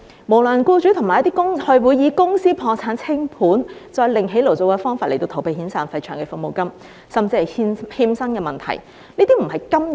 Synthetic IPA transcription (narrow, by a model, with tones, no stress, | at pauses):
mo˨˩wlɵ˨˩nkuː˧t͡ʃyː˨˥t̪ʰʊ˨˩ŋmaː˨jɐ˥t̪i˥kʊ˥ŋhɵ˨˧ɥwuː˨˧jjiː˨˧kʊ˥ŋsiː˥pʰɔː˧t͡sʰaː˨˥nt͡sʰɪ˥ŋpʰuː˨˥nt͡sɔː˧jlɪ˨˩ŋɦe˨˥jlo˨˩wt͡so˨˧wkɛː˧˥fɔː˥ŋfaː˧le˨˩t̪o˧wt̪ʰwpe˨˧jhiː˨˥nsaː˨˧nfɐ˧jt͡ʃʰœː˨˩ŋkɛ˧fʊ˨k̚mo˨wkɐ˥m | sɐ˨mt͡siː˧hɐ˨jhiː˧msɐ˥ŋkɛː˧mɐ˨nt̪ʰɐ̰˨˩j | niː˥t̪iː˥m̩˨˩hɐ˨jkɐ˥mj